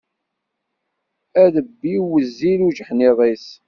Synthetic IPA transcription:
æðəbːiwəzːiluʒħniðˤis

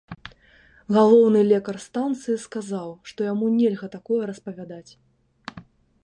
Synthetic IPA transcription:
ɣalˠɔwnɨlʲɛkɐrst̪ant̪sɨjiskazawʂt̪ɔjamunʲɛlʲɣɐt̪akɔjɛɾɐspɐvʲad̪at͡sʲ

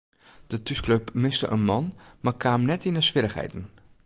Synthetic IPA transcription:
d̥ətyskløpmɪstə̰ʔə̰nmɑnmaːɹkʰaːmnɛtinəsʋɪɾəχɦɛ̰jtən

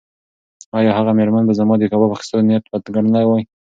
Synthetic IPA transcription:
ɑjɑhaɣameɾmanbazamɑd̪əkɑbapaxi̥st̪alneat̪bat̪ɡaɽnawaj

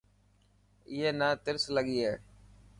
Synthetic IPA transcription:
ɪɦeːnaːt̪ɪɾsləɠiːɦeː

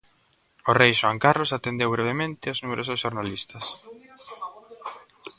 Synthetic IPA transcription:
orejʃwaŋkarlosat̪end̪ewβɾeβemẽnt̪ɪoznumeɾosʊsʃoɾnalist̪ɐs

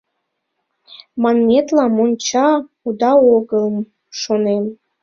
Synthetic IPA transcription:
mɑnmʲet̪lɑmonʲt͡ɕɑ | ud̪ɑoɡəlm | ʃonem

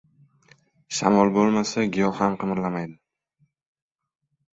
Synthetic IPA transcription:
ʃa̰mɒlˠbolˠmasaɡʲɪjɒamqɨmɾlamajd̪ɪ

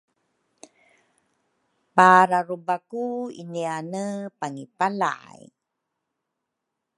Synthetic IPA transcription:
paɾaɾubakuḭnianəpaŋipala̰a̰j

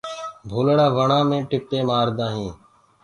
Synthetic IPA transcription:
bʱoːləɽaːʋəɳãːmẽːʈɪp̚t̪eːmaːɾd̪ãːɦĩː

